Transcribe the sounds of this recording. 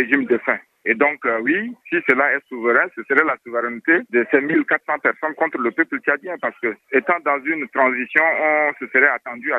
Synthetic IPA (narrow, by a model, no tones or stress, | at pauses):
eʒimd̪əfɛ̃ | ed̪ɔ̃kwisisəlaɛsuvəʁɛ̃səsəɾɛlasuvəʁɛ̃nt̪ed̪əsɛmilkat̪sɑ̃pɛʁsɔ̃nkɔ̃t̪ɾələpøplət͡ʃad̪jɛ̃paʁsə̥kəet̪ɑ̃d̪ɑ̃zynt̪ʁɑ̃zisjɔ̃ɔ̃səsəʁɛat̪ɑ̃d̪ya